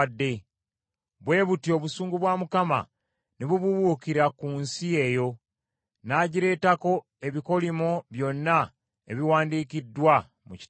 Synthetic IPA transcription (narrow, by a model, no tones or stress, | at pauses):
dːe̞ | βwe̞ːβutio̞βusuːŋɡuβwaːmukama̰ | niβuβuβuːkiɾakuːnsie̞jo̞ | naːɟiɾe̞ːtako̞ | e̞βiko̞limoβjo̞nːa | eβiwaːndiːkidːwa | mui̥